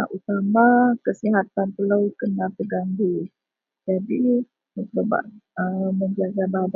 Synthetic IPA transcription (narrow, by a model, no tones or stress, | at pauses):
aʔut̪amakəsiɦat̪anpəlawkənapəɡandi | d͡ʒadi | əsbaba̰ʔəməɲd͡ʒaɡabab